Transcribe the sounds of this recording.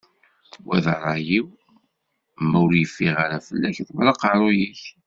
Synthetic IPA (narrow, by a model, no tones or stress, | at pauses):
wʔæðəɾˤɑjiw | mæʊɾjəfːiʁaɾafəlːæçθmɾˤɑqɑɾˤojiç